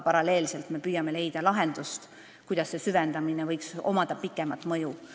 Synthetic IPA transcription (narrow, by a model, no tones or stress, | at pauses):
pɑɾɑle̞ːlse̞lt̪me̞pyjɑme̞le̞jd̪̥ɑlɑɦe̞nd̪̥ust̪ | kujd̪̥ɑsːe̞syvend̪̥ɑminevɤjkso̞̰mɑd̪̥ɑpikːˑemɑt̪ːˑmɤju